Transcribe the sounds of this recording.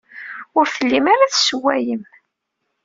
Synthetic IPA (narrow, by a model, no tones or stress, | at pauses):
ʊɾθəlːimaɾaθswæjəm